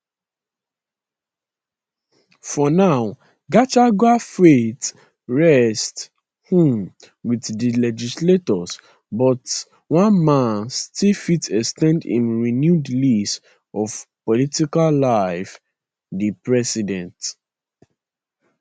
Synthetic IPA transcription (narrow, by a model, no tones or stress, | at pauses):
fɔnaʊ | ɡat͡ʃaɡwafet | ɹɛst | hĩm | wiθdilɛd͡ʒisletɔs | bɔt | wãnmãnstifitɛkstɛ̃ndḭ̃nɹinjudlis | ɔv̥pɔlitikallaɪf | dipɹɛsidɛ̃nt